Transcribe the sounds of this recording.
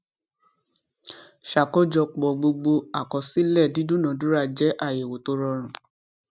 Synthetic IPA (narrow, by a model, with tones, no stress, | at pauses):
ʃa˨kɔ˦d͡ʒɔ˧k͡pɔ˨ɡ͡bo˧ɡ͡bo˧a˨kɔ˨si˦lɛ˦˨di˨˦du˦nã˨˦du˦ɾa˦˨d͡ʒɛ˨˦ʔa˦˨je˨wo˨to˧˦ɾɔ˧ɾ̃ũ˨